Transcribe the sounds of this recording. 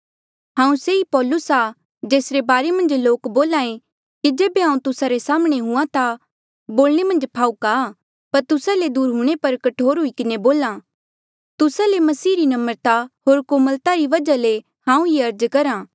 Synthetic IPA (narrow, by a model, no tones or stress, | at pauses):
ɦãːũseipɔːlʊsa | d͡ʒeːsɾebaːɾemɐ̃nd͡ʒloːkboːlaːẽ | kid͡ʒeːbeɦãːũt̪ʊsaɾesaːmɽ̃eɦʊ̃ãt̪a | boːlɽ̃emɐ̃nd͡ʒpʰaːuka | pɐɾt̪ʊsaled̪uːɾɦuɽ̃epɐɾkɐʈʰoːɾɦʊikɪneboːlã | t̪ʊsalemɐsiːɾinɐməɾt̪aɦoːɾkoməlt̪aɾiʋɐd͡ʒale | hãːũiɐɾd͡ʒkɐɾãː